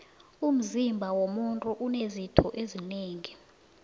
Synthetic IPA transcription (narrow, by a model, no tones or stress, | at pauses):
um̩zimbʱawomuntʼuʔunezitʰɔʔezineːŋi